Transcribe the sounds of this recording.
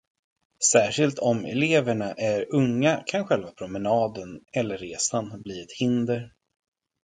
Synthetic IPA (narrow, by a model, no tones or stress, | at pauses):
sæːʂɪlt̪ʰɔmɛ̰leːvəɳaʔæɾɵŋːakʰanɧɛlvapʰɾʊmɛnɑːd̪ənɛlːəɾːeːsanbliːɛt̪hɪnd̪əɾ